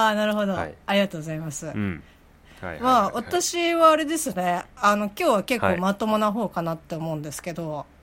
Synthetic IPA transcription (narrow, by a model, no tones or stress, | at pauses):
aːnaɾɯ̟ɦo̞d̪o̞aɾʲiɡat̪o̞ːɡozaimasɨ | maːβat̪aɕiβaːɾe̞d̪e̞sɨne̞ano̞kʲo̞ːβake̞kːo̞ːmat̪o̞monaɦo̞ːkanat̪ːe̞omo̞ɯ̟̃nd̪e̞sɨ̥ke̞d̪o̞